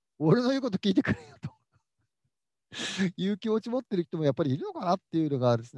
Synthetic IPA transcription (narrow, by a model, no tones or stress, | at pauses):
oɾenojɯːko̞t̪okʲiːt̪ekɯ̟ɾejot̪o̥ | jɯ̟ːkʲimo̞t͡ɕimo̞t̪ːe̞ɾɯçi̥t̪o̞mo̞japːaɾʲiːɾɯ̟no̞kanat̪ːe̞jɯ̟ːno̞ɡad̪esɨn